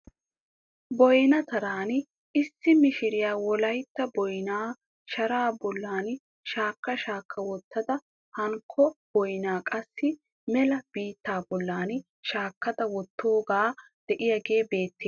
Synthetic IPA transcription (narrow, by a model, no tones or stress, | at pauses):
bɔjnɐt̪ɐɾaːn | ɪsːɪmɪʃɪɾɪjaːwɔlɐjt̪ːɐbɔjnaː | ʃɐɾaːbɔlːaːn | ʃaːkːɐʃaːkːɐwɔt̪ʰːɐd̪ɐ | hɐŋkʰːɔb̥ɔjnaːkʼɐsːɪ | mɛlɐb̥iːt̪ːaːbɔlːaːn | ʃaːkːɐd̪ɐwɔt̪ːo̞ːɡaː | d̪̥ɛʔɪjɐɡe̞ːbe̞ːt̪ːeː